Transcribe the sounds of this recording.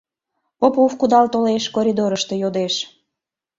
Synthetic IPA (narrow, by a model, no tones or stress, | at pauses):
popufkud̪ɑlt̪oleʃkoɾʲid̪oɾəʃt̪e̽jod̪eʃ